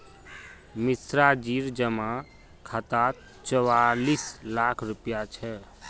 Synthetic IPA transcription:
misɾad͡ʒiɾd͡ʒəmã | kʰat̪at | t͡ʃɔwalislakʰɾupjat͡ʃʰɛ

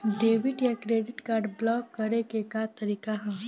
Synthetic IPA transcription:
ɖeːʋɪʈjakɾeːɖɪʈkaːɾɖblɔːkːɐɾekekat̪ɐɾiːkaɦɛ

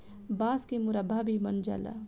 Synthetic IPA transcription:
baːskemuɾɐbʱabʱimɐnd͡ʒa̰la̰

